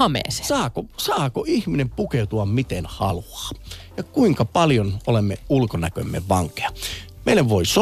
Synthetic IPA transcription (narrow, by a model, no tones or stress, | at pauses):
ɑmḛːˑse̥sɑːkosɑːkoihminempukeut̪uɑmmit̪enhɑluɑ̥ːjɑkuiŋkɑpɑljonolemːeulkonækø̰mːḛʋʋɑŋke̥ɑ | meilːˑæʋʋoiso